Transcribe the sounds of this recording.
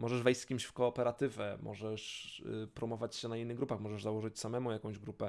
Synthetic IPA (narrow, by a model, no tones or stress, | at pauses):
mɔʐɛʐvɛjst̪kʲimɕfkɔːpɛɾat̪ɘvʲɛmʔɔ̰ʐɛʂpɾɔmɔvat͡ɕɕɛnainːɘɣɡɾupaxmɔʐɛʐzawɔʐɘt͡ɕsamɛmujakɔ̃w̃ʑɡɾupɛ